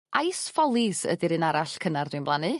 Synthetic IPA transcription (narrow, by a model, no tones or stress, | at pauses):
ʔajsfɔlˠɪsə̰dɨɾɨnaɾaɬkʰənardwɨnblˠanɨ